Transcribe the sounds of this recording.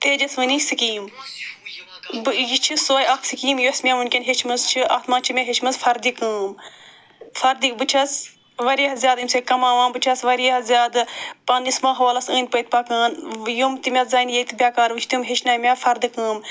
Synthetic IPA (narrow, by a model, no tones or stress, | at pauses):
t̪eːd͡ʒɐsʋɨnisikiːm | bɨjit͡ʃʰisoːjɐkʰsikiːmjosmʲamunkʲenʲɦet͡ʃʰmɐst͡ʃʰiʔɐt̪maːt͡ʃʰimʲaɦet͡ʃʰmɐzfɐɾd̪ikɨːm | fɐɾd̪ibɨt͡ʃʰɐs | ʋɐɾɐɦɐzʲjaːd̪imsekɐmaːʋãːnbɨt͡ʃʰɐsʋɐɾɐɦɐzjaːd̪ɨpɐnismãːɦɐʋaːlɐsəːn̚ʲpəjt̪̚paːkaːnjomt̪imʲɐt̪zaːinjet̪ibʲjaːkaːɾʋɨt͡ʃʰt̪umɦet͡ʃʰnaːmʲaːfɐɾd̪ɨkɨːm